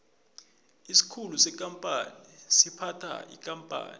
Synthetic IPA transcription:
isi̥kʰulusɛk̬ʼampʼanisipʰatʰa̰ḭkʼampʼa̰ːni

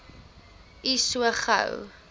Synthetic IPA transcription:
isuəχə̰w

